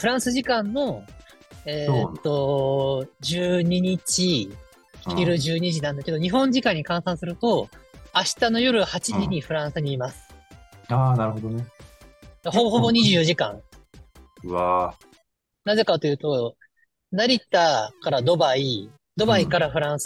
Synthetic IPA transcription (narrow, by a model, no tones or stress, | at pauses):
ɸɯ̟ɾãɰ̃sɨʑikãnːo̞ | eːt̪ːo̞ | d͡ʑɨːɲ̟iɲ̟it͡ɕi̥ | iɾɯ̟ʑɨːɲ̟iʑinãnd̪akeo̞ɲ̟iɦõ̞ɲ̟d͡ʑikãɲ̟ːikãɰ̃sãɰ̃sɨɾɯ̟t̪o̞aɕi̥t̪ano̞jo̞ɾɯhat͡ɕiɲiɲ̟iɸɯ̟ɾãɰ̃sɨɲ̟iːmasɨ̥aːnaɾɯ̟ɦod̪one | ɡahoboɦobo̞ɲ̟iʑɨːjoʑikã̰ŋ | βa | naze̞kat̪o̞jɯ̟ːt̪o̞ | naɾʲit̪akaɾad̪o̞bai | d̪o̞baikaɾaɸɯ̟ɾãɰ̃s